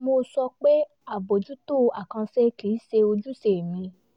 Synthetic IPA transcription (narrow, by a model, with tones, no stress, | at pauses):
mo˧sɔ˧k͡pe˦ | a˦˨bo˨d͡ʒu˦to˦˨a˨kã˧se˦ki˨i˦se˧o˧d͡ʒu˦se˨mĩ˧